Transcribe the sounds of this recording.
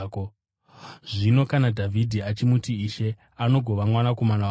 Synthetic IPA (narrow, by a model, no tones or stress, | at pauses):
ko | ʐino̞kanadʱavʱidʱiat͡ʃimutiːʃe̞ | ano̞ɡʱo̞ʋamwanako̞mana